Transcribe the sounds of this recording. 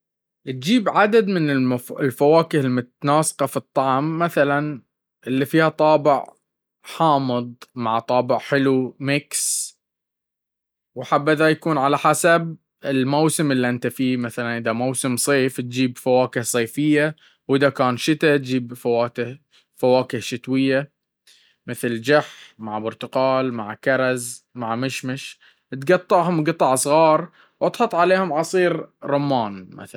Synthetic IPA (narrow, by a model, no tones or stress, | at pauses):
ʔt̪̚d͡ʒiːbʕad̪ad̪mɪnɪmlfawaːkɪhɪlmʊt̪naːsqɑfit̪ˤːɑʕmːaθalan | ʔɪlːifiːhat̪ˤɑːbɪʕ | ħɑːmɨðˤmaʕt̪ˤɑːbɪʕħɪlumɪks | wħabːɪðajakuːnʕalaħasab̚ | ɪlmawsɪmɪlːiʔɪnt̪afiːmaθalanʔɪðamawsɪmsˤeːft̪̚d͡ʒiːbfawaːkɪhsˤeːfɪjːa | wʔɪðakaːnʃɪt̪at̪̚d͡ʒiːbfawaːt̪ɪh | fawaːkɪhʃɪt̪wɪjːa | mɪθld͡ʒaħmaʕbʊɾt̪ʊqɑːlmaʕkɑɾˤɑzmaʕmɪʃmɪʃ | t̪ɡɑt̪ˤːɑʕhʊmɡɨt̪ˤɑʕsˤɣɑːɾˤ | wʔɑt̪ˤħɑt̪ˤʕaleːhʊmʕɑsˤiːɾɾˤʊmːɑːnma̰θa